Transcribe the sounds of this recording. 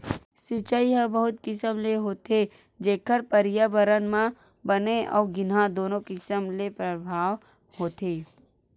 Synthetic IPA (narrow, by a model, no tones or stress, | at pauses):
sɪt͡ʃaiɦə̃bəɦʊt̪kɪsəmleɦoːt̪e | d͡ʒeːkʰəɾpəɾɪjabəɾənmã | bɐneʔɔ̰ːɾɡɪnɦãd̪oːnõkɪsəmlepɾəbʱaːʋ | hoːt̪eː